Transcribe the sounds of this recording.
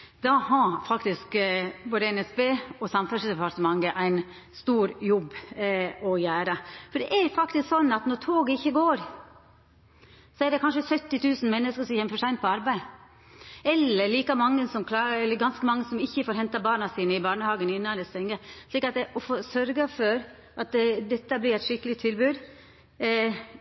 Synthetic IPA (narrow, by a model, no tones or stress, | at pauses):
d̪̥ɑhɑfɑkt̪ɪskboːd̪əɛnɛsbeːɔsɑmfʉsd̪ɛpɑɾt̪əmɑŋːəʔæɪn | st̪uːɾjɔbː | ɔjæːɾɑfɔɖɛʔæɾfɑkt̪ɪsksɔnːɑt̪nɔɾt̪ʰoːɡɪçːəɡoːɾ | sɔæɖɛkʰɑnʂəsœt̪ːɪt̪ʰʉːsn̩mɛnːəskəɾʂɔmçɛməfɔʂæɪn̚pʰɔɑɾbæɪ | ɛlːəɭiːkɑmɑŋːəsɔmkʰlɑɛlːəɾɡɑnskəmɑŋːəsɔmɪçːəfoːɾhɛnt̪ɑbɑːɳɑsiːnəɪbɑːɳəhɑːɡənɪnːɑnd̪ɛst̪ɛŋːəʂɭiːkɑt̪d̪ɛʔɔfoːsœɾɡɑfɔɾ | ʔɑt̪d̪ɛt̪ːəblɪɾæɪt̪ʂɪkːəlɪt̪ʰɪlbʉːd̪